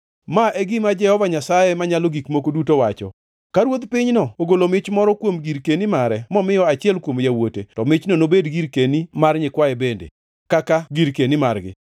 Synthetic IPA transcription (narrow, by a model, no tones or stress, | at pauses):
maʔɛɡɪmad͡ʒɛhɔvaɲasajɛmaɲaloɡikmokodutowat͡ʃɔ̰ | kaɾwod̪pɪɲnɔoɡolomɪt͡ʃmɔɾɔkwomɡiɾkenimaɾɛmɔmɪjɔat͡ʃɪɛlkwomjawotetɔmɪt͡ʃnonobedɡiɾkenimarɲɪkwaɛbendḛ | kakaɡiɾkenimarɡɪ̰